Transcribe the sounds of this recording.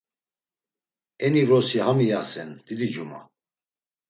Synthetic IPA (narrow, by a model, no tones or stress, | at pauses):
ɛniɾɔsihamijasɛnd̪̥id̪id͡ʒuma̰